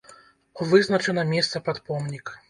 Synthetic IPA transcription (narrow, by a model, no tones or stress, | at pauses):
uvɨznɐt͡ʂɛnɐmʲɛst̪sɐpat̪pɔmnʲik